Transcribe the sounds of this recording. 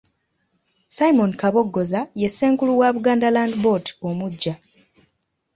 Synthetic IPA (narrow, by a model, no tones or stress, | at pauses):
sajimo̞nkaβo̞ɡːo̞zaje̞sːe̞ːŋkuluwaβuɡaːndalaːndbo̞ti̥o̞muɟːa